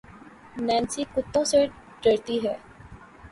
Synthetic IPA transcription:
nɛ̃ːnsiːkʊt̪ːõːse | ɖəɽt̪iːɦɛː

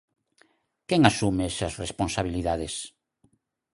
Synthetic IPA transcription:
keŋasumeesasresponsaβ̞iliðaðes

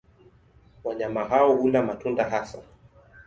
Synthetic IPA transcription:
waɲamaɦaɔhundamatundaɦasa

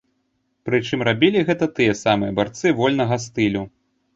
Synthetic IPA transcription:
pɾɨt͡ʂɨmɾabʲilʲiɣɛt̪ɐt̪ɨjɛɐsamɨjɐbart̪sɨvɔlʲnɐɣɐst̪ɨlʲu

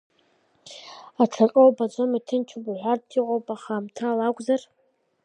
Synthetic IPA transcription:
aʈ͡ʂʰakʼowbad͡ʒʷomitʰɨnt͡ʃʰubuħʷartʰiʁʷʼowpʼaχamtʰaːlakʷʼzar

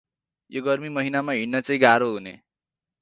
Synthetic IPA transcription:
joɡʌrmimʌɦinamaɦiɽnʌt͡sʌĩɡaɾoɦunḛ

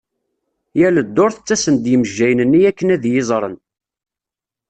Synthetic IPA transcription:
jæləd̪ːoɾθət͡sːæsənd̪jəməʒːæjənənːiækːənæðjɪzˤɾˤə̰n

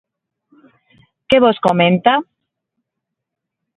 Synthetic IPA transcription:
keβoskomẽnt̪a

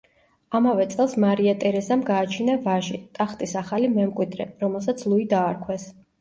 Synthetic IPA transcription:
amavɛt̪sʼɛlˠsmaɾiat̪ʼɛɾɛzamɡaːt͡ʃʰinavaʒit̪ʼaχt̪ʼisaχalimɛmkʼwid̪ɾɛ̰ɾɔmɛlˠs̬at̪sʰlˠuid̪aːɾkʰwɛs

